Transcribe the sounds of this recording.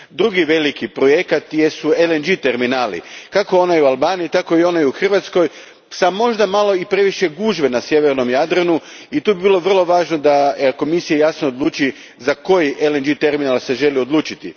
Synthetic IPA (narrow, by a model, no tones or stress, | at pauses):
d̪ɾuɡiʋe̞likipɾo̞je̞kat̪jesuelend͡ʒit̪e̞ɾminaːlḭkakoo̞naiualˠbaːnijit̪ako̞io̞naiuxr̩ʋat̪sko̞j | samo̞ʒd̪amalˠo̞ipɾe̞ʋiʃe̞ɡuːʒʋenasje̞ʋeɾno̞mjad̪ɾanu | it̪uːbibilˠo̞ʋr̩lˠo̞ʋaːʒno̞d̪aəko̞misijajasnood̪lˠuːt͡ʃi | zako̞jiʔelend͡ʒit̪e̞ɾminalˠse̞ʒe̞lio̞d̪lˠuːt͡ʃit̪ḭ